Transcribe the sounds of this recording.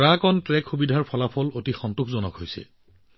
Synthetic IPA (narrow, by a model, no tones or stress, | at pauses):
ɹakɔntɹɛkʰxubidʱaɹpʰɔlapʰɔlotixɔntukʰzɔnɔkɦojsɛ̰